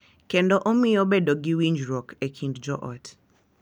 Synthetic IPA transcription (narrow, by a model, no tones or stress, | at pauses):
kɛndɔʔomijɔbɛdɔɡiwind͡ʒɾɔkɛkʰindd͡ʒɔʔɔ̰t